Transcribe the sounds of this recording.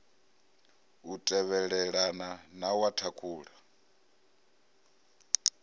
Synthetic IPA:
utʼɛβɛɺɛɺananawatʰakʰuːɺa

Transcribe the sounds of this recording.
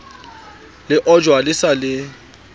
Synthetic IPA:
lɪʔɔd͡ʒwalɪsalɪ

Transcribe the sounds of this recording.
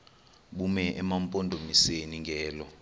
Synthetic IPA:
ɓumɛʔɛmampʼondʱomiseniŋɡʱɛːlɔ

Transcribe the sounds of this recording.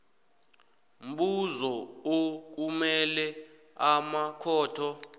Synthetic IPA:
m̩ɓuzɔok̬umɛlɛ | amakʰɔːtʰɔ

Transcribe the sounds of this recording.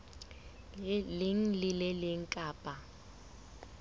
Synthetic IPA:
lɪŋ̩lɪlɪlɪŋ̩kʼaːpʼa

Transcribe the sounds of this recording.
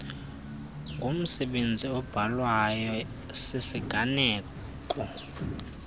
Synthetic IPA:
ŋʱom̩sɛɓend͡zʱiɔb̥ʱalwajɔ | sesiɡ̥ʱanɛː | kʼɔ

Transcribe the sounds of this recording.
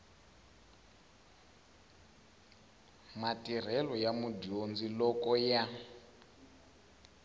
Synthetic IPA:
matʼir̤ɛlɔjamudiond͡zilɔkɔja

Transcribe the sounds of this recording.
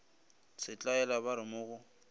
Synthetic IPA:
t͡sʰɪt͡ɬʼaɛlabaɾɪmʊːɣʊ

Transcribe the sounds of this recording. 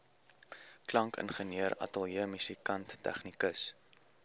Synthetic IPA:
klɐŋkə̰nχəniəɾɐ̰təlˠjiəmysikɐntːæ̰χnikəs

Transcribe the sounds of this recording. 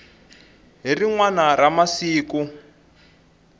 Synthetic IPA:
ɦiriŋwanaramasiːku

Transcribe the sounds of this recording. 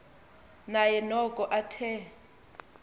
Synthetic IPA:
najɛnɔkʼɔʔatʰɛ

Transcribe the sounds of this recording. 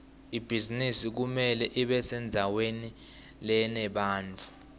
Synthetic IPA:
ib̥ʱizinisik̬umɛlɛʔiɓɛsɛnd͡zʱaweni | lɛnɛɓaːnd͡ɮʱu

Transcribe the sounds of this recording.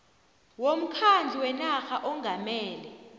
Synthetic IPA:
wom̩kʰand͡ɮʱiwɛnaxaʔɔŋɡʱamɛːlɛ

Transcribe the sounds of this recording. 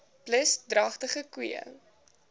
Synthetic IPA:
pləsdrɐχtəχəkwiə̰

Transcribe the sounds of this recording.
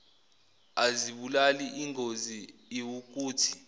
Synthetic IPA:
aziɓulaliʔiŋʱoziiwuk̬uːtʰi̥

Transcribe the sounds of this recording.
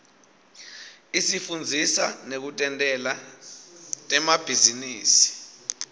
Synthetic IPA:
isifund͡zʱisa̰nek̬utʼɛntʼɛla | tʼɛmab̥ʱiziniːsi̥

